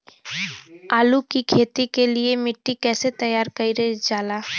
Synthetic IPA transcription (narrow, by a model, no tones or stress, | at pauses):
aːlukikʰeːt̪ikeliemɪʈːikɛːset̪ɐjaːɾkɐiɾɐd͡ʒaːlaː